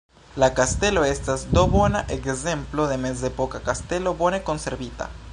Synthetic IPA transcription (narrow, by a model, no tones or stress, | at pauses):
lakast̪eloest̪azd̪oβonaʔekzemploðemez̬d̪epokakast̪elobonekonseɾβit̪a̰